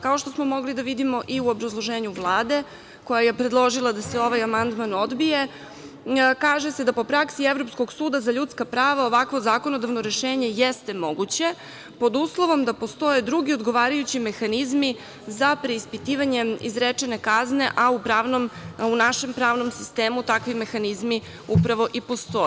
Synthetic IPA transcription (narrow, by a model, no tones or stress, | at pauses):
kaoʃt̪osmo̞mo̞ɡlid̪aʋid̪imo̞ʔiuobɾazlˠoʒeːɲuʋlˠaːd̪e̞ | ko̞jaje̞pɾe̞d̪lˠo̞ʒilˠad̪aseo̞ʋajamand̪mano̞d̪bije̞ | kaːʒesed̪apo̞pɾaksievɾo̞psko̞ɡsuːd̪azaʎut̪skapɾaːʋaoʋakʋo̞zaːko̞no̞d̪aʋnoɾe̞ʃeːɲe̞jest̪e̞mo̞ɡut͡ɕe̞ | po̞d̪uslˠo̞ʋo̞md̪apo̞st̪o̞je̞d̪ɾuɡio̞d̪ɡo̞ʋaːɾajut͡ɕime̞xanizmi | zapɾe̞ispit̪iːʋaɲe̞izɾet͡ʂe̞ne̞kazne̞ʔaupɾaʋnomunaʃe̞mpɾaːʋno̞msi̥st̪e̞ːmut̪akʋime̞xanizmi | upɾaʋo̞ʔipo̞st̪o̞